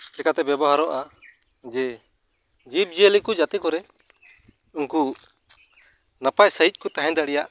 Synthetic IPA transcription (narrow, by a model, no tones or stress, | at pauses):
ɛkat̪ɛbɛbɔɦaɾɔʔa | d͡ʒɛ | d͡ʒip̚d͡ʒielikud͡ʒat̪ɛkɔɾɛ | unku | napajsəɦic̪̚ˀkut̪aɦɛ̃ɲd̪aɽɛjaʔ